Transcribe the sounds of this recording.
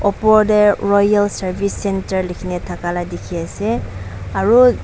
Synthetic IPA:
ɔpɔɹdɛɹɔjalsaɹbʱisːɛntəɹlikʰinɛtʰakaladikʰiasɛaɹu

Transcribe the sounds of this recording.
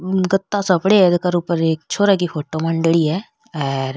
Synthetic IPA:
ɡət̪ːasɐpɽeed̪kəɾuːpəɾeːk̚t͡ʃʰoːɾakifʰoːʈoːməɳɖəɭiːɦɛː | ɛːɾ

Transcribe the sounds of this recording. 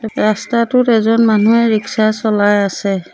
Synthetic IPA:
ɹastatʊtɛzɔnmanuɛɹiksasɔlajasɛ

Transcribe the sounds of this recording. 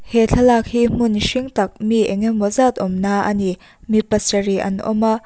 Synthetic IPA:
heɬʰɐlak̚him̥unʃiŋtɐk̚miḛŋemwɔzat̪̚ɔmnaʔɐ̰ni | mipɐsɐɾiʔɐ̰nɔ̰mɐ

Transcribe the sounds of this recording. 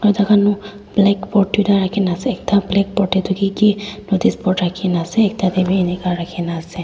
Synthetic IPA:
atakanʊ | blɛkpɔɹtudaɹakʰinasɛːk̚tablɛk̚pɔɹtɛtukikinodispɔtɹakʰinasɛːk̚tadebiːnɛkaɹakʰinasɛ

